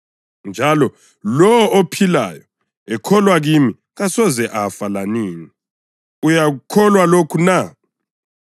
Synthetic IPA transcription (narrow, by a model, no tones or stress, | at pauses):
nd͡ʒʱalɔ | lɔɔopʰila̰jɔ | ɛkʰɔlwaɣimi | ɣasɔzɛʔafalaniːni | ujaɣukʰɔlwalokʰuna